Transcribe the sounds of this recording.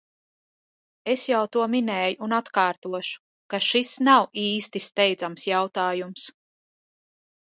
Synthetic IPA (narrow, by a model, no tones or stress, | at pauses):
e̞sjawt̪uɔminɛːjuːnat̪kaːɾt̪uɔʃu̥ | kaʃisnawiːst̪ist̪ɛjd̪zamsjawt̪aːjums